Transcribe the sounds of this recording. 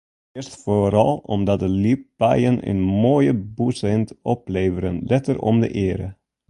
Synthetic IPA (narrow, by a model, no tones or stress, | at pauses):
ɪəstfoɾɑlˠɔmdɑt̚dəlip̚bɛjənə̰nmoːjəbusɛntɔpleːvəɾənlɛtərɔ̰mdə̰ʔɪəɾə